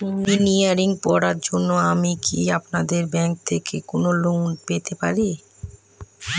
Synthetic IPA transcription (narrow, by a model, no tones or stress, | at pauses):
miniaɾiŋpɔɾaɾd͡ʑonːoamikʰiapnad̪eɾbɛŋk̚t̪ʰekʰekonolonpet̪epaɾi